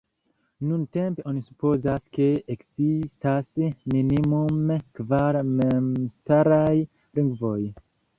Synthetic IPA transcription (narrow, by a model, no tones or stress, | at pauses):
nunte̞mpe̞ʔo̞nisupo̞zaske̞ekz̥istasminimumekvaɾmemstaɾaj | liŋɡvo̞j